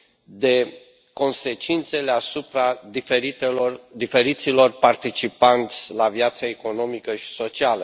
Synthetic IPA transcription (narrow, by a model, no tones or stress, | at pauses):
d̪e̞ | ko̞nse̞t͡ʃint̪se̞le̞asupɾaeed̪ife̞ɾit̪silo̞rpart̪it͡ʃipant̪sʲlavjat̪səe̞ko̞no̞mikəʃi̥so̞t͡ʃialə